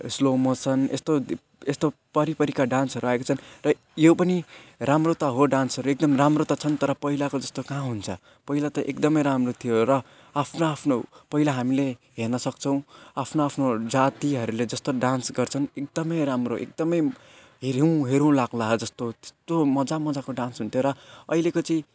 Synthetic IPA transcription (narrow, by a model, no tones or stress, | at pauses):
slomʌt͡sʰʌnḛst̪o | est̪opʌɾipʌɾikaɖãnsɦʌɾuaekot͡sʰʌnrʌ | jopʌniramrot̪ʌɦoɖansɦʌɾuek̚d̪ʌmramrot̪ʌt͡sʰʌnt̪ʌɾʌpʌɦilakod͡zʌst̪okãɦunt͡sʰʌ | pʌilat̪ʌʔekd̪ʌmʌjɾamrot̪ʰijoɾʌ | apʰnoapʰnopʌɦilaɦamileɦernʌsʌk̚t͡sʰʌw̃apʰnoapʰnod͡zat̪iɦʌɾuled͡zʌst̪oɖãnsɡʌrt͡sʰʌnek̚d̪ʌmʌjɾamroʔḛk̚d̪ʌmʌj | ɦeɾĩɦeɾũlaɡlaɦd͡zʌst̪o̥st̪omʌd͡zamʌd͡zakoɖãnsɦunt̪ʰjoɾʌʌilekot͡sʌĩ